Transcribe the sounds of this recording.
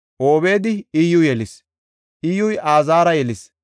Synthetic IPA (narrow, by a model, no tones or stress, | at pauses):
ʔoːβe̞ːd̪ɪɪjʊjɛlɪs | ʔɪjʊjʔaːzaːɾɐjɛlɪs